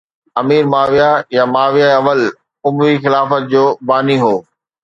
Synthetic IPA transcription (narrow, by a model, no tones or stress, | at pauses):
ɐmiːɾmaːʋijajamaːʋijaɐʋəl | ʊmʋixɪlaːfət̪̚d͡ʑoːbaːniɦoː